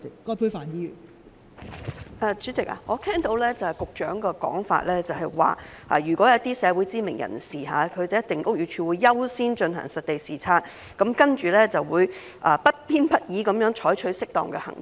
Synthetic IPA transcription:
ɪ˨kɔː˥pʰuː˥faː˨˧njiː˥jy̰ː˨˩n | ʔɛː˧t͡ʃyː˨˥t͡sɪ˨k̚ʔa̰ː˨ŋɔː˨˧t̪ʰɛː˥ŋt̪o˨˧wlɛː˥t͡sɐ˨hɐ˨jkʊ˨k̚t͡ʃœː˨˥ŋkɛː˧kɔ̰ː˨˥ŋfa̰ː˧˨t̚lɛː˥t͡sɐ˨wɦɐ˨jwa̰ː˨˩ | a̰ː˨jyː˨˩kʷɔː˨˥jɐ˨˥t̪iː˥sɛː˨˧wuː˨˥jt͡siː˥mɪ˨˩ŋjʔɐ̰˨˩nsiː˨˩ɦaː˨˧kʰɵ˨˧jt͡sɐ˨˧jɐ˥t̚t̪ɪ˨ŋkʊ˥k̚jyː˨˩t͡ʃʰyː˧wuː˨˧jjɐ˥wsiː˥nt͡ʃɵ˧nɦɐ̰˨˩ŋsɐ˨t̚t̪e˨jsiː˨˩t͡sʰaː˧t̚ | kɐ˨˥mkɐ˥nt͡ʃyː˨˩lɛː˥t͡sɐ˨wuː˨˧j | ʔaː˨˧pɐ˥t̚pʰiː˥npɐ˥t̚jiː˨˥kɐ˨˧mjœː˨˥ŋt͡ʃʰɔː˨˥jt͡ʃʰɵ˨˥ɥsɪ˥k̚t̪ɔ̰ː˨˩ŋkɛː˧hɐ̰˨˩ŋ

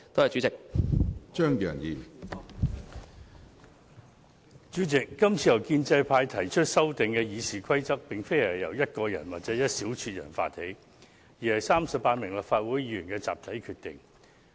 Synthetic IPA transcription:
t̪o˥ɐ˨˩t͡ʃyː˨˥t͡sɪ˨k̚ | t͡ʃœː˥ŋjœ̰ː˨˩ŋjiː˨ | t͡ʃyː˨˥t͡sɪ˨kːɐ˥mt͡sʰiː˧jɐ˨˩wkiː˧nt͡sɐ˧jpʰaː˧jt̪ʰɐ˨˩jt͡ʃʰɵ˥t̚sɐ˥wt̪ɪ˨ŋkɛː˧jiː˨˧siː˨kʷʰɐ˥jt͡sɐ˥k̚pɪ˨ŋfe˥jɐ˨˩jɐ̰˨˩wjɐ˥t̚kɔː˧jɐ˨˩nwaː˨t̚t͡sɛː˨˥jɐ˥t̚siː˨˥wt͡ʃʰyː˧t̚jɐ̰˨˩nfa̰ː˧t̚he˨˥j | jiː˨˩hɐ˨˩jsaː˥msɐ˨paː˧t̚mɪ˨˩ŋlɐː˨˩faː˧t̚wuː˨˥jiː˧˨yː˨˩nkɛː˧t͡sa̰ː˨p̚t̪ʰɐ˨˥jkʰyː˧t̪ɪ̰˨ŋ

